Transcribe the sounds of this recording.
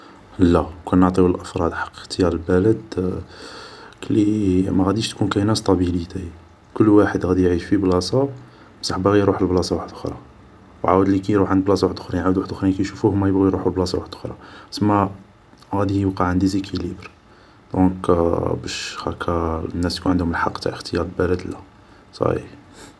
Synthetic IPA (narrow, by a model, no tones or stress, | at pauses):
lːækʰænːəʕt̪ˤiwəlʔəfɾˤɑd̪ħɑ̥qːxt̪əjæɾəlbælæd̪ | klːimæɣæd̪iʃt̪kunkæjnæst̪ˤɑbilit̪ʰæji | kʊlːwaħəd̪ɣæd̪ijʕiʃfiblɑsˤɑ | msɑħbæɣijɾuħəlblɑsˤɑwaħəd̪ʔʊxɾˤɑ̰ | wʕawəd̪likæjɾuħʕənd̪blɑsˤɑwaħəd̪ʔʊxɾijʕawəd̪waħəd̪ʔʊxɾijkæjʃufuhmːæjəbɣijɾuħulblɑsˤɑwaħəd̪ʔxɾˤɑsəmːæ | ɣæd̪ijəbqɑʕənd̪izikʰilibɾ | d̪̥ɔ̃kbæʃhækʰːænːæsjkunʕənd̪hʊməlħɑqːt̪a̰ʔəxt̪əjɑɾˤəlbælæd̪læ | sˤɑ̰ḭ